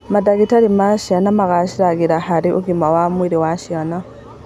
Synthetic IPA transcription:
madaɣitaɾimaʃianamaɣaʃiɾaɣiɾahaɾiʔuɡimawamwiɾiwaʃiana

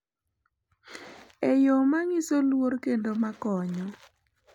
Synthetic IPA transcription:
ejomaŋɪsolworkendomakɔɲɔ

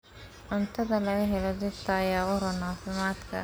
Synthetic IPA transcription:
ʔʊnt̪ʰɐðɐlɐɣɐɦɛlɔd̪ɪft̪ʰɐɐjaːʊɾɔnaːfɪmaːd̪kʰɐ̰

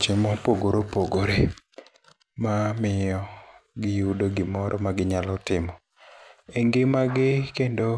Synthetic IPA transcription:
t͡ʃɪmɔpoɡoɾopoɡoɾe | mamɪjɔɡɪudoɡɪmɔɾʔɔ̰maɡɪɲalɔtɪmɔ | eŋɡɪmaɡɪkendo

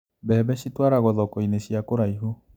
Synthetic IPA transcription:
bɛβɛʃitwaɾaɣɔðɔkɔineɕjakoɾaiɦo

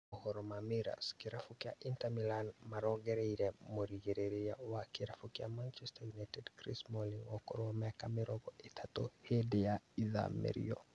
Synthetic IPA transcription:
hɔɾɔmamiɾa̰skiɾafukiaʔintamilanmaɾɔɡɛɾeiɾɛmoɾiɡeɾeɾijawakiɾafukiamant͡ʃɛstajunajtɛdkɾismoliŋwɔkɔ̰ɾɔamɛkamiɾɔɡɔɛtʰatohedɛjaiða̰mḛɾḭjɔ̰

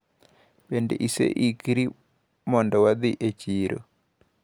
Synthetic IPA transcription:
bendḛʔisḛʔikiɾi | mɔndɔwad̪iʔet͡ʃiɾo̰

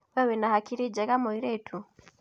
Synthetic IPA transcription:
wɛwɛnahakiɾid͡ʒɛɣamɔiɾɛtʰu

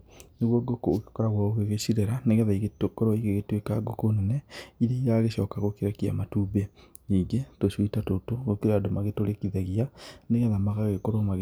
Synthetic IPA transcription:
neɣwɔɡokokekɔɾaɣwaoɣeɣeɕiɾeɾaneɣɛðaiɣetokɔɾwɔiɣeɣetwekaɡokonɛnɛiɾeiɣaɣeɕɔːkaɣokeɾakia̰matube | iŋɡetoɕwitatotoɣokiɾadomaɣetoɾekiðaɣianeɣɛðamaɣaɣekoɾomaɣ

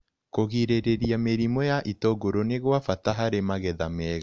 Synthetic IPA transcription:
koɣiɾeɾeɾijameɾimojaʔitoɡoɾoneɣwafataɦaɾemaɣɛðamɛːɣa

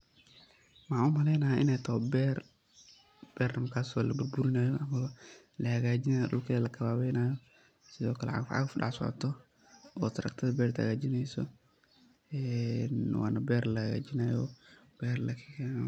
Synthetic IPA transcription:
maʕʊmhɐlɛjnaːɪnɛt̪ʰɔːbɛːɾ | b̥ɛɾɐmkaːsɔlɐbuɾbuɾɪnaːjɔʔɐmɐβɐ | lɐhɐɣaːd͡ʒɪnajɔɗʊlkʰɐlɛlɐkʰɐβaːβɛjnaːjɔ | sɪðɔːkɐlɛ̰ʕa̰ɡfʕa̰ɣɐfɗa̰ʕsɔ̰ʕ̰t̪ɔ | ɔ̰t̪ɐɾɐ̰k̚t̪ʰɐðɐbɛːɾt̪a̰ɣaːd͡ʒɪnɛjsɔ̰ | ɛnwa̰ːnɐbɛːɾlɐhɐɣa̰ːd͡ʒinaːjɔ̰b̥ɛːɾlɐkʰika

